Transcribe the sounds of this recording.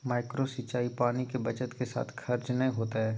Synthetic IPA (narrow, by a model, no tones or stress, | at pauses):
maːɪkɾosit͡ʃaːipaːnikebɐt͡ʃət̪kesa̰ːt̪ʰkʰɐɾd͡ʒnɐɦĩɦoːt̪aɦɛː